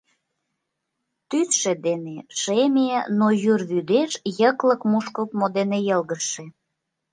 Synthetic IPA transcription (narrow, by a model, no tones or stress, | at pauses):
t̪ysʃed̪eneʃemenojyrβyd̪eʃjəklə̆kmuʃkəpmod̪enejəlɣəʃĕ